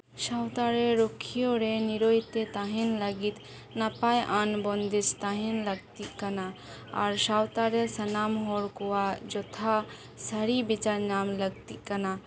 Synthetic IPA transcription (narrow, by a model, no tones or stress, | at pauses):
ʃawt̪aɾeɾokʰijoɾeniɾoit̪ːet̪aɦenlɐɡit̪ | nɐpajʔanbond̪ist̪aɦenlɐɡt̪ikɐna | a̰ɾʃawt̪aɾesɐnaːmɦɔɾkuad͡ʒɔt̪ʰa | sɐɾibit͡ʃaɾnaːmlɐɡ̚t̪ikɐna